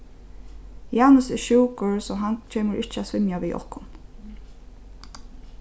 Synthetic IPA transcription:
jaːnʊsɛʃuːkʊɹsɔɦant͡ʃʰeːməɹʔɪht͡ʃəasʋɪmjaʋiʔɔ̰hkʊn

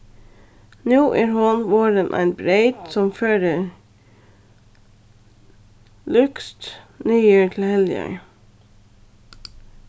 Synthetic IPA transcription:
nuːʔæːɾhʊnʋoːɾənʔæ̰ɪnbɾeɪt̪sɔmføːɾə | lʉkst̪ | nyːjøːtʰl̩hɛlɪœ̰ʏ

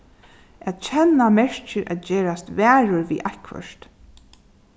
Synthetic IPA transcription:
æt̪t͡ʃʰɛnːamɛɹt͡ʃɪɾʔæ̰t̪d͡ʒeːɹast̪væːɹʊɹvḭːʔakʰʋœ̰ʃt̪

